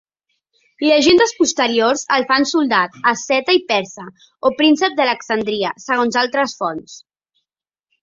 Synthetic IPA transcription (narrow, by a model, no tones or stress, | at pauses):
ləʒend̪əspust̪əɾiorzəlfansulˠd̪at̪əsɛt̪əipɛɾsə | opɾinsəp̚d̪ələksənd̪ɾiəsəɣ̞onzalˠt̪ɾəsfɔns